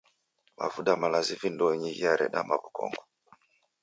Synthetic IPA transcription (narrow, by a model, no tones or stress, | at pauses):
ma̰vuɗamalazivindɔɲiɣiaɾɛ̰ɗamaβukɔ̰ŋɡu